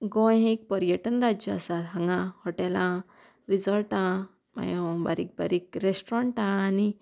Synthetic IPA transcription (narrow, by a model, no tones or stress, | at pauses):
ɡɔ̃jɦek̚pəɾijəʈənɾad͡ʑjɔasatɦãŋɡãhɔʈɛlã | ɾid͡zəlʈã | ma̰jõba̰ɾik̚ba̰ɾikɾesʈɾãɳʈãɭ̃ani